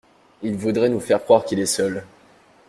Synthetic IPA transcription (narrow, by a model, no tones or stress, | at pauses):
ilvud̪ʁɛnufɛʁkχwaʁkʲilɛsœl